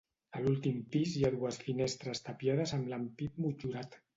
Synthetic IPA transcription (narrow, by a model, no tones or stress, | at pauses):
əlulˠt̪impizjaðuəsfinest̪ɾəst̪apjað̞əzəmlampit̪̚mud͡ʒuɾat̪